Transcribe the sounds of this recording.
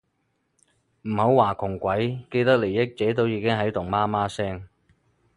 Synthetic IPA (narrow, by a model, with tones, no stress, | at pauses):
m̩˨˩ho˨˥wwaː˨˩kʰʊ˨˩ŋkʷɐ˨˥jke˧jt̪ɐ˥k̚le˨˩jjɪ˥k̚t͡sɛː˨˥t̪o˥wjiː˧kɪ˥ŋɦɐ˨˥jt̪ʊ˨˩ŋmaː˥maː˥sɛː˥ŋ